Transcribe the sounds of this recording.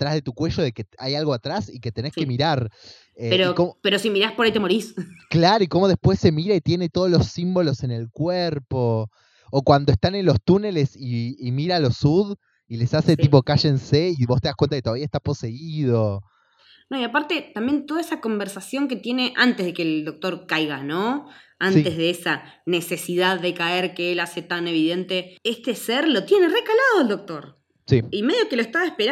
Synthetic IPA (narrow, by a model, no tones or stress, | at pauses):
t̪ɾazðe̞t̪ukwe̞ʃo̞ðe̞ke̞ajalɣo̞at̪ɾasike̞t̪e̞ne̞ske̞miɾaɾ | eeɾokomopeɾosimiɾaspoɾait̪emoɾisklaɾoiko̞mo̞ð̞espwe̞sːe̞miɾait̪je̞ne̞t̪o̞ð̞olosimbo̞lo̞se̞ne̞lkweɾpo̞ː | kwand̪oest̪ane̞nlost̪une̞le̞siːmiɾalo̞suð | ile̞sase̞t̪ipo̞kaʃeenseiβo̞st̪eahkwent̪aket̪oaβiaest̪apo̞se̞iðo̞ | noːiapaɾt̪et̪ambje̞nt̪oðaesako̞mbeɾsasjo̞ŋket̪je̞ne̞ʔant̪ezðekeːld̪o̞k̚t̪o̞ɾkajɣanõansit̪e̞zð̞eesa | ne̞se̞siðaðːe̞kaeɾkeelaset̪ane̞βiðent̪eest̪e̞seɾlot̪jenerekalaðo̞eld̪o̞k̚t̪o̞ɾ | siime̞ðjokeloest̪aβaespeɾ